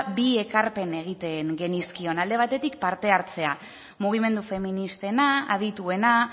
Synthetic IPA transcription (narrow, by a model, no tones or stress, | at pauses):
bie̞kaɾpe̞ne̞ɣ̞it̪e̞ŋɡe̞niskio̞nald̪e̞β̞at̪e̞t̪ikpaɾt̪e̞aɾt͡se̞a | muɣ̞ime̞nd̪ufe̞minist̪e̞naa̰ð̞it̪ue̞na